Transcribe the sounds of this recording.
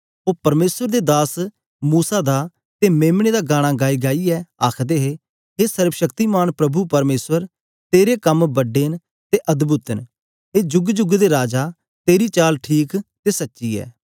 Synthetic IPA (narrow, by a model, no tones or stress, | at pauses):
oːpɐɾmeːswəɾd̪eːd̪aːs | muːsaːd̪a | t̪emẽːmɽ̃eːd̪aːɡaːɽ̃aːɡaːiːɡaːiːɛːaːkʰd̪eːɦeː | ɦeːsəɾwəʃəkt̪iːmaːnpɾəbupɐɾmeːswəɾ | t̪eːɾekəmbəɖeːn | t̪eʔɐd̪bʊt̪ən | ɦeːd͡ʒʊɡd͡ʒʊɡd̪eɾaːd͡ʒaː | t̪eːɾiːt͡ʃaːlʈʰiːkt̪eːsɐtːʃiːɛ̰ː